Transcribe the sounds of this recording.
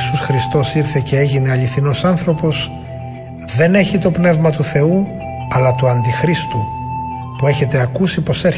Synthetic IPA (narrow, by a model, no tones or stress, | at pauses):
susxɾist̪o̞siɾθe̞ce̞eʝine̞ɐʎiθino̞sɐnθɾo̞po̞s | ðe̞ne̞çit̪o̞pne̞vmɐt̪uθe̞u | ɐlɐt̪uɐnd̪ixɾist̪u | pue̞çe̞t̪eɐkusipo̞se̞ɾ